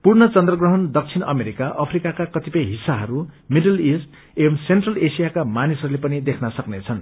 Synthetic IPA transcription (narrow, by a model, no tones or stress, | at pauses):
purnʌt͡sʌnd̪rʌɡrʌɦʌnd̪ʌk̚t͡sʰinʌmeɾikaʔʌpʰrikakakʌt̪ipʌjɦisːaɦʌɾumidʌlisʈ | emsenʈrʌlesijakamanisʌɾulepʌnid̪ekʰnʌsʌknet͡sʰʌn